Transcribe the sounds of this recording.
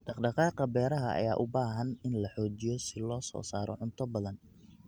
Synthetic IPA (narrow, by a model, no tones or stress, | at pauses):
ɖ̥ɑqɖɑqɑːqɑbɛːɾɐɦɐʔɐ̰jaːʔʊbaːɦɐnɪnlɐħɔːt͡ʃɪjɔsɪlɔːsɔ̰ːsaːɾɔ̰ʕʊnt̪ʰɐbɐðɐn